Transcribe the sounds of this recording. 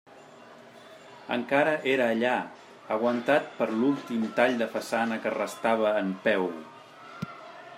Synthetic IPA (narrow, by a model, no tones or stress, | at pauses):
ə̰ŋkaɾəʔeɾəːʎa | əɣ̞wənt̪at̪̚pəɾlulˠt̪imt̪aʎd̪əfəsanəkərəst̪aβ̞əːmpɛw